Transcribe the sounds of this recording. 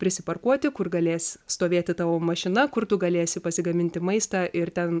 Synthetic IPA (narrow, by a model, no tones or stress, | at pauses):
pʲɾʲɪsʲɪpɐrkuɔt̪ʲɪkʊrɡɐlʲeːsʲst̪oːʋʲeːt̪ʲɪt̪ɑːʋoːmɐʃʲɪnɐkʊrt̪ʊɡɐlʲeːsʲɪpɐsʲɪɡɐmʲɪnʲt̪ʲɪmɐɪst̪ɑːʔɪɾt̪ʲɛn